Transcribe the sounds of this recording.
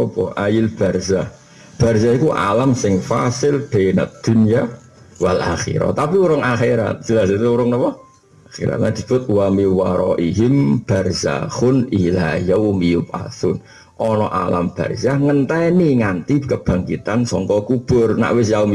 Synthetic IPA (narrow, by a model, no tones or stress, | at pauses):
ɔpɔʔajɪlb̥arza | b̥arsaikuʔa̰lamsɪŋfasɪld̪̥ena̰t̪̚d̪̥ṳnija | walaxḭɾɔ̰t̪apiuɾʊŋaxeɾa̰t̪̚d͡ʒ̥əlasit̪uuɾʊŋnɔpɔ | axḭɾa̰t̪nad̪̥i̤b̥ʊt̪̚uwamiwaɾɔʔiɦɪmb̥arza̰hʊnilajəwmijʊp̚a̰sʊn | ʔɔnɔʔala̰mb̥a̰rzaŋənt̪ɛniŋant̪ikəb̥a̤ŋkit̪ansɔŋkɔkub̥ʊrna̰ʔwɪs̬jaum